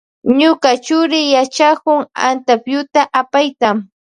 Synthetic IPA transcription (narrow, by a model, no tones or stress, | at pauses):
ɲʊkat͡ʃʊɾɪjat͡ʃakʊŋa̰nt̪apjʊt̪aʔapajt̪am